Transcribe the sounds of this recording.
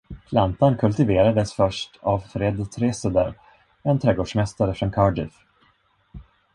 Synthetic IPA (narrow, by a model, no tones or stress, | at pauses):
pʰlant̪ankʰɵlt̪ɪveːɾad̪əsfœʂʈavfɾɛd̪t̪ʰɾeːsəd̪əɾ | ɛnt̪ʰɾɛɡoːɖʂmɛst̪aɾəfɾɔnkʰɑːɖɪf